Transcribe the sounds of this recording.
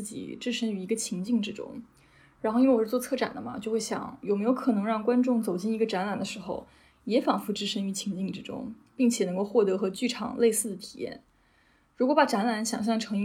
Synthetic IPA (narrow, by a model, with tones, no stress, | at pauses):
t͡s̩˥˩t͡ɕḭ˨˩ʈ͡ʂɻ̩˥˩ʂə˥ŋy˧˥i˧˥ɡə˧t͡ɕʰi˧˥ŋt͡ɕi˥˩ŋʈ͡ʂɻ̩˥ʈ͡ʂʊ̰˥ŋ | ɻa˧˥nxo˥˩˧i˥˩˧wwɔ˥˧t͡sʰɤ˥˩ʈ͡ʂa̰˨˩nd̪ə˦mɐ̰˦t͡ɕjo˥˧ʊxwe˥˩ɕjɑ̰˨˩˦ŋjme˧˥ɪjo˧˥ʊkʰɤ˨˩nɤ˧˥ŋɻɑ˥˩ŋkwa˥nʈ͡ʂʊ˥˩ŋt͡so˨˩ʊt͡ɕi˥˩ni˧˥ɡə˧ʈ͡ʂa˧˥nla˨˩nd̪ə˦ʂɻ̩˧˥xo˧ʊ | jɛ˧˥fɑ˨˩ŋfu˧˥ʈ͡ʂɻ̩˥˩ʂə˥ŋy˧˥t͡ɕʰi˧˥ŋt͡ɕi˥˩ŋʈ͡ʂɻ̩˥ʈ͡ʂʊ̰˥ŋ | pi˥˩ŋt͡ɕʰjɛ˨˩nɤ˧˥ŋko˥˧ʊxwɔ˥˩t̪ɤ˧˥xɤ˧˥t͡ɕy˥˩ʈ͡ʂʰɑ̰˨˩˦ŋlʔe˥˧ɪsɹ̩˥˩d̪ə˩t̪ʰi̥˨˩jɛ̰˥˩n | ɻu˧˥kwɔ˧˥pa˨˩ʈ͡ʂa˧˥nla˧˥nɕjɑ̰˨˩ŋɕjɑ˥˩ŋʈ͡ʂʰɤ˧˥ŋi˧˥